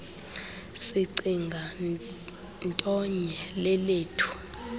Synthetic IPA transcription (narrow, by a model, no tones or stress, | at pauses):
siǀiŋɡʱa | ntʼɔɲɛlɛleːtʰu̥